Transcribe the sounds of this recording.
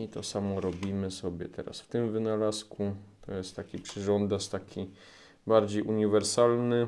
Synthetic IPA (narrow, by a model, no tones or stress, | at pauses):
it̪ɔsamɔɾɔbʲimɘsɔbʲjɛt̪ɛ̰ɾa̰sft̪ɘmvɘnalaskut̪ʰɔjɛst̪ːakʲipʂɘʐɔnd̪ast̪akʲʰi | baɾd͡ʑejʔuɲivɛɾsalnɘ